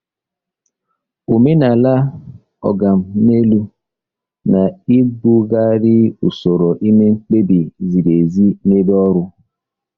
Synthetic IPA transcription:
o˨me˦na˨la˦ | ɔ̰˨ɡa˨m̩˨˦me˦lu˦ | na˨i˦ɡ͡bu˦ɡa˦ɾɪ˦u˨so˨ɾo˨ʔi˦me˦ŋ͡m̩˦k͡pe˦bi˨zi˨ɾe˨zi˦ne˦dɔ˦ɾʊ˦

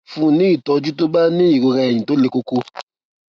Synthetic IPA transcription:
fũ˧˦nĩ˨˦i˦˨tɔ˧d͡ʒu˦to˦ba˦nĩ˦i˦˨ɡo˧ɾa˧ɛ˨jĩ˨to˨˦le˧ko˦ko˦

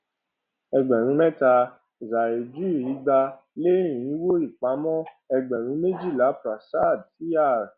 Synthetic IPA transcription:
ɛ˧ɡ͡bɛ˨ɾ̃ĩ˨˦mɛ˦ta˧ | za˨e˨d͡ʒi˦˨i˨˦ɡ͡ba˧ | le˦ĩ˨ĩ˨˦wo˦i˦˨k͡pa˨˦mɔ̃˦ | ɛ˧ɡ͡bɛ˨ɾ̃ĩ˨˦me˦d͡ʒi˦˨la˨˦pɾa˨sa˦˨dti˦a˦˨ɾ

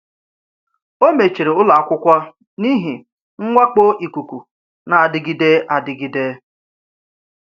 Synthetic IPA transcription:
o˦me˨t͡ʃi˨ɾe˨ʊ˦la˨a˨kʷʊ˦kʷa˦ | ni˦ɦi˨ | ŋ̩˦ŋʷa˦k͡po˦ʔi˨ku˨kʷu˨ | na˨a˨dɪ˨ɡi˦de˦ʔa˨dɪ˨ɡi˦de˦

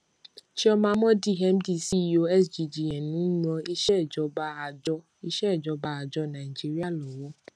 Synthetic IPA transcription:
ʃi˦ɔ˦mãː˧˦mɔ̃˦di˦˨ɦɛ˦m̩˦di˦˨si˦˨jo˧ɛ˦sd͡ʒi˧d͡ʒi˨ɛ˨nũ˨˦n˦ɔ̃˧˦i˦ʃɛ˦˨d͡ʒɔ˧˦ba˦˨d͡ʒɔ˧˦ | i˦ʃɛ˦˨d͡ʒɔ˨˧ba˧a˨d͡ʒɔ˧˦nã˨i˨d͡ʒi˦ɾi˦a˦˨lɔ˨wɔ˨˦

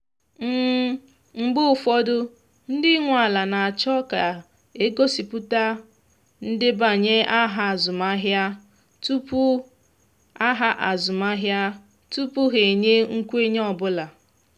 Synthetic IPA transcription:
m̩˦ | ŋ͡m̩˨ɡ͡bʊ˦˨fɔ˦dʊ˦ | n̩˦dɪ˦ŋʷ˨a˨la˨na˨a˨t͡ʃɔ˦ka˨ | e˦ɡo˦si˨pʊ˦ta˦ | n̩˦dɪ˦ba˨ɲe˦ʔa˦ɦa˨a˨zʊ˨ma˦ɦja˦ | tu˦pu˦ | a˦ɦa˦ʔa˨zʊ˨ma˦ɦja˦ | tu˦pu˦ɦe˨ɲe˦ŋ̩˦kʷu˦e˦ɲ˦ɔ˨bʊ˦la˨

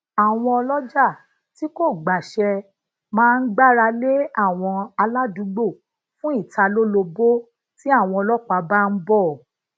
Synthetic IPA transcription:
a˨w̃ɔ̃˧ɔ˧lɔ˦d͡ʒa˦˨ | ti˨˦ko˦˨ɡ͡ba˨ʃɛ˧ | mãː˦˧n̩˦ɡ͡ba˦˨ɾa˧le˦a˦˨w̃ɔ̃˧a˧la˦dũ˨˦ɡ͡bo˦˨ | fũ˦i˦˨ta˧lo˦lo˧bo˦ | ti˦a˦˨w̃ɔ̃˧ɔ˧lɔ˦k͡pa˨˧ba˦˧n̩˦bɔ˦˨

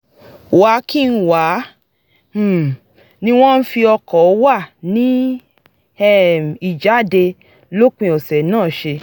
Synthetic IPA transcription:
wa˨˦ki˦˨n̩˦wa˨˦˨ | nĩ˦w̃ɔ̃˦n̩˦fi˧ɔ˧kɔ˨˦wa˦˨nĩ˦ | ɛ˦˨m˨i˨d͡ʒa˨˦de˧ | lo˦k͡pĩ˧ɔ˨sɛ˨nãː˦˨ʃe˧

